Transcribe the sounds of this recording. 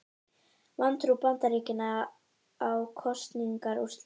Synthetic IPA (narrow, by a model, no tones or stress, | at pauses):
vant̪ɾupant̪aɾiːcɪnaː | wkʰɔst̪niŋkaɾust̪